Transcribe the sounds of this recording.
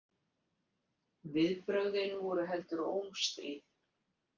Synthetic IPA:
vɪðpɾœɣðɪnvɔɾʏɦɛlt̪ʏɾowmst̪iːð

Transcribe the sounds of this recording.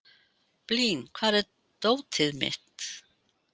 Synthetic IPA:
pliːnkʰvaːðɛɾ | t̪oːwt̪ʰɪðmɪ̰ht̪

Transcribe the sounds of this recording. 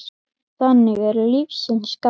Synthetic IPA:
θanːɪɣɛɾlivsɪnska

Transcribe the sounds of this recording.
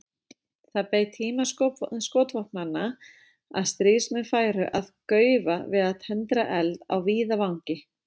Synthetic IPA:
θaðpejt̪ʰiːmasskoːt̪vɔpnanːa | a̰ðst̪ɾiːsmʏfaːjɾʏʔaðkœːɥvavɪðaðt̪ʰɛnt̪ɾaʔɛlða̰wviːðavawŋ̥cɪ

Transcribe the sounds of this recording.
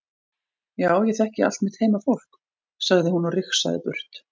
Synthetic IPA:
jaːwjɛθɛhcɪa̰l̥t̪mɪt̪heːjmafowl̥k | saɣðɪhunɔrɪxsa̰ðɪ̰pʏ̰r̥t̪

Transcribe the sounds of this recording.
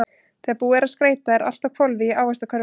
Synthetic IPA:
θɛːapuːɛɾaðskɾeːjt̪aɛɾa̰l̥t̪akʰvɔlvɪaːwɛst̪akʰœɾ

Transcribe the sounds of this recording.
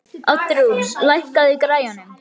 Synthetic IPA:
at̪ɾuslajhkaðikɾaːjanʏm

